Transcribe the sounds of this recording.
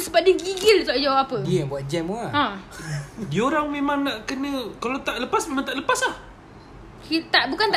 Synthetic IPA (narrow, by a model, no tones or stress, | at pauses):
səbat̚dəɡiɡɪlt̪aʔd͡ʒawapapədiəaŋbuat̪̚d͡ʒɛmaã | diəoɾaŋmẽmãŋnaʔkənə̃kalawt̪aʔləpasmemãt̪aʔləpaslah | kit̪aʔbukant̪a